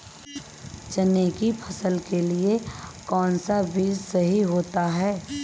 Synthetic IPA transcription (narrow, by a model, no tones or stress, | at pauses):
t͡ʃɐneːkipʰɐsəlkeliekɔːnsabiːzsɐɦiɦoːt̪aɦɛː